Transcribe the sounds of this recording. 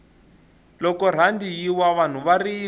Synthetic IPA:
lɔkɔɾ̤andijiwaβan̤uβari

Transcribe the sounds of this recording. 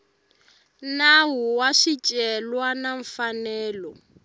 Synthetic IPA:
nawuwaʃit͡ʃʼɛlwanaɱ̩fanɛːlɔ

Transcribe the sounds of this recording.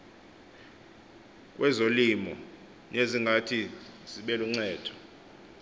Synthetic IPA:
k̬ʼwɛzolimɔ | neziŋɡʱatʰiz̥iɓɛluŋ͡ǀɛːd̥ʰʱɔ̥

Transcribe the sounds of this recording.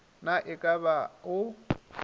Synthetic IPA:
naʔɪkʼabaʊ

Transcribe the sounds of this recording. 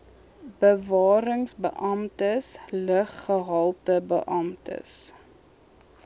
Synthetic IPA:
bəvɑːɾəŋsbə̰ʔɐmtəsləχːəɦɐlˠtəbə̰ʔɐmtə̰s

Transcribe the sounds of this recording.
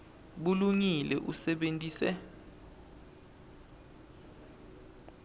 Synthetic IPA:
ɓuluŋilɛ̰ʔusɛɓentʼiːsɛ

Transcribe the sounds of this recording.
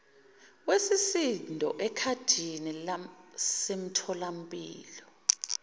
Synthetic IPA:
wesisindʱɔʔɛkʰad̥ʱinilasem̩tʰɔlam̩pʼḭːlɔ

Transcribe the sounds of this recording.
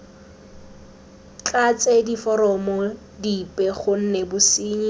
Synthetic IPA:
t͡ɬʼat͡sʼedifɔɾɔmɔ | dipʼɛχʊn̩nɛbʊsiːɲi

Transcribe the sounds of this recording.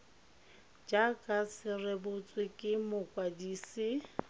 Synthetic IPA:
d͡ʒakʼasɪrɪbʊt͡sʼwɪkʼɪmʊkʼwadiːsɪ

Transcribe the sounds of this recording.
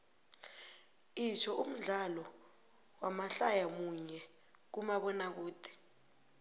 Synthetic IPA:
it͡ʃʰɔum̩ɮalɔ | wamaɬajamuɲɛ | k̬umaɓɔnak̬uːtʰi̥

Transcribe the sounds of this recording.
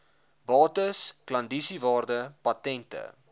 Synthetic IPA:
bɑːtəsklɐndisivɑːrdəpɐtɛntə̰

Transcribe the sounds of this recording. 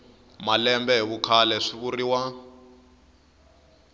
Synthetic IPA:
malɛmbɛɦiβukʰalɛʂiβuriwa

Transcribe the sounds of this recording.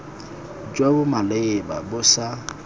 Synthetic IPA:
d͡ʒwabʊmaleɪbabʊsa

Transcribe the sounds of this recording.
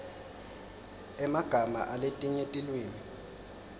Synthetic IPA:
ɛmaɡ̥ʱama̰ʔaletʼiɲetʼilweːni

